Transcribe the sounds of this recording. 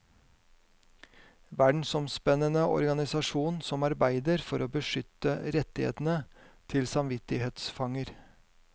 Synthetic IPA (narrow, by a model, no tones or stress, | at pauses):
ʋæɖɳ̩sɔmspɛnənəʔɔ̰ɾɡɑnɪsɑʂuːnsɔmɑɾbæɪd̪əɾfɔɾoːbəʂʏt̪ːəɾɛt̪ːɪhḛːt̪n̩ət̪ʰɪlsɑmʋɪt̪ɪheːt̪sfɑŋəɾ